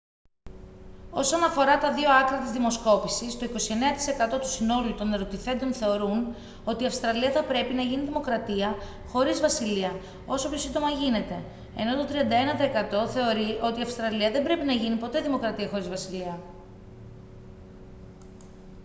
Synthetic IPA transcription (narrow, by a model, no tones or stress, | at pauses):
o̞sonɐfo̞ɾɐt̪ɐðio̞ɐklɐt̪izðimo̞sko̞pisist̪o̞iko̞sie̞ne̞ɐt̪i̥se̞kɐt̪o̞t̪u̥sino̞liut̪o̞neɾo̞t̪iθe̞nd̪o̞nθe̞o̞ɾun | o̞t̪iɐfst̪ɾɐliɐθɐpɾe̞pinɐʝiniðimo̞kɾɐt̪iɐ | xo̞ɾizvɐsiliɐ | o̞sopço̞sind̪o̞mɐʝine̞t̪e̞ | ḛno̞t̪ot̪ɾiɐnd̪ɐe̞nɐt̪ɐekɐt̪o̞θe̞o̞ɾiʔo̞t̪iɐfst̪ɾɐliɐðe̞mbɾe̞pinɐʝinipo̞t̪e̞ðimo̞kɾɐt̪iɐxo̞ɾizvɐsiliɐ